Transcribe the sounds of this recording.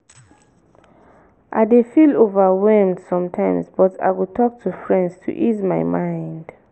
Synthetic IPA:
ʔa̰ɪdefilovəwɛlmdsɔ̃mtʰãɪ̃msb̥ɔtʰa̰ɪwutʰɔk̚tʰufɹɛ̃ndstʰṵʔizmaɪjmãɪ̃nd

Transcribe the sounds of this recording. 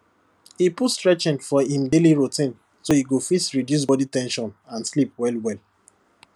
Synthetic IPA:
hipustɹɛt͡ʃĩnfɔĩmdeliɹutĩn | soiɡofisɹidjus̬bɔditɛ̃nʃɔ̃nãnslip̚wɛlwɛl

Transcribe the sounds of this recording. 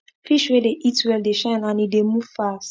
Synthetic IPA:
fiʃwedeʔitwɛldeʃãnãnidemuvfast

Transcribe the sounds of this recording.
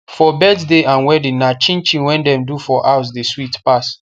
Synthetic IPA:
fɔbɛddeʔãnwɛdĩnnat͡ʃĩnt͡ʃĩnwɛ̃ndɛ̃mdufɔʔaʊs̬deswitpas

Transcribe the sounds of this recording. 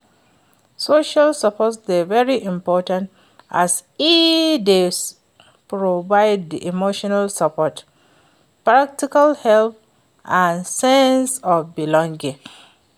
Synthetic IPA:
soʃalsapʰɔtsdevɛɹiʔĩmpɔtãnt | asifdes | pɹovaɪd̚diʔimoʃɔnalsapʰɔt | pɹak̚tikalhɛlθ | ãnsɛ̃nsɔbilɔ̃ŋɡĩŋ

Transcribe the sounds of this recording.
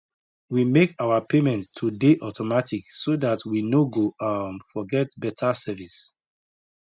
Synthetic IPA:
wimekawapʰemɛ̃nttʰːudeʔɔtʰɔmatʰiksoðatwinoɡoãnfɔɡɛtbɛtʰasɛvis

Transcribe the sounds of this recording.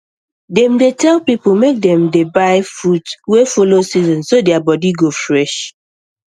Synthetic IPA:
dɛ̃mdetʰɛlpiplmek̚dɛ̃mdebaɪfutwefolosizɔ̃nsodɛabɔdiɡofɹɛʃ

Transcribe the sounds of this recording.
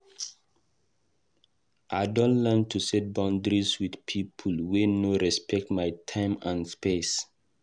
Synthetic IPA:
ʔaɪdɔ̃ntlɛntʰusɛt̚bãʊ̃ndɹiswidpʰipʰulwenoɹɛspʰɛk̚tmajtʰãɪ̃mãnspes

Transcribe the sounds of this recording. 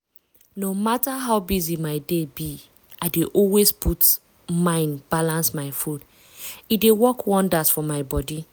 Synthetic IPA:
nomataɦaʊbizimaɪdebi | aɪdeʔɔlwespʰut | mãɪ̃nbalãnsmaɪfud | idewɔkwɔ̃ndasfɔmaɪbɔdi

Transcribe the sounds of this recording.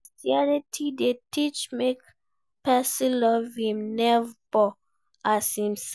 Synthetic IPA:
siɛɹitʰidetit͡ʃmek | pɛsĩlɔvĩmnɛvbɔ | asĩms

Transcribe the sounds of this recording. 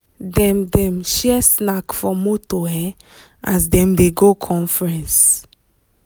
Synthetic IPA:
dɛ̃mdɛ̃mʃɛsnakfɔmotoɦɛ | ʔasdɛ̃mdeɡokʰɔ̃nfɹɛ̃ns

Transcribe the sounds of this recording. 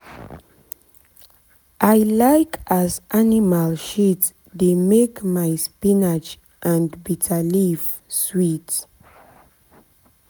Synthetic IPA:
ʔajlaɪkʰazʔanimalʃit | demekmajspinad͡ʒ | ʔãnbitʰəliv | swit

